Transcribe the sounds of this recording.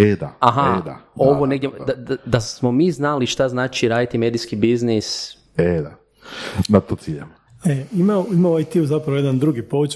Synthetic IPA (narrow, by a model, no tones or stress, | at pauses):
ed̪a̰aɦad̪a̰o̞ʋoneɡdjed̪ad̪ad̪asmomiːznaliʃt̪aznaːt͡ʃiɾaːd̪it̪imeːd̪iskibiznis | ed̪a | nat̪ot̪siʎam | eimaoimauajt̪iuzapɾaʋojed̪and̪ɾuɡipout͡ʃ